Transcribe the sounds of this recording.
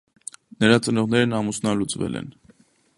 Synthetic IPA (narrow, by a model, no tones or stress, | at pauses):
nəɾɑt͡sənɔʁnɛɾnɑmusnɑlut͡svɛ̰lɛ̰n